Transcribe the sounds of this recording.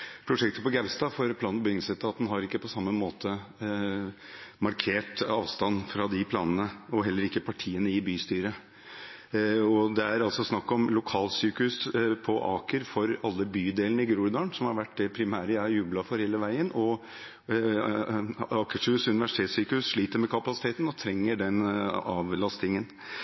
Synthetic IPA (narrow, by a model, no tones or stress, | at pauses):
pʰɾʊʂɛk̚t̪əpɔɡæʋst̪ɑːfɔɾpʰlɑːnbɪɡnsɛt̪ːəɑt̪̚d̪ɛnɦɑɾɪkːəpʰɔsɑmːəmoːt̪ʰə | mɑɾkʰeːʈɑːʋst̪ɑnfɾɑd̪ɪpʰlɑ̰ːnənəɔɦɛlːəɾɪkːəpʰɑʈʰiːənəɪbyːst̪yːɾə | ɔd̪ɛæɾɑlsɔsnɑkːɔmlʊkʰɑːlsyːkʉspʰɔʔɑ̰ːkəɾfɔɾɑlːəbyːd̪eːlənəɪɡɾuːɾd̪ɑːnsɔmhɑɾʋæʈːd̪ɛpʰɾɪmæːɾəæɾjʉːblɑfɔɾheːləʋæɪənɔ | ɑːkəʂʉːsʉnɪʋæʂɪ̥t̪ʰeːt̪syːkəʉsʂɭiːt̪əɾmɛkʰɑpɑsɪ̥t̪ʰeːt̪n̩ɔt̪ʰɾɛŋːəɖɛnɑːʋlɑst̪ɪŋən